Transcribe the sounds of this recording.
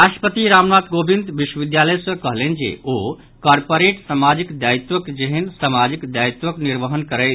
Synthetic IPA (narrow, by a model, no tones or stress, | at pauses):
ɾaʃʈə̥pət̪iɾamnat̪ɡobind̪biʃwəʋid̪jaləjsə̃kəɦlend͡ʒḛo | kɔɾpoɾeʈsamad͡ʒikd̪ajt̪wəkd͡ʒeɦənsamad͡ʒikd̪jait̪ʋəkniɾʋəɦənkəɾɛɪ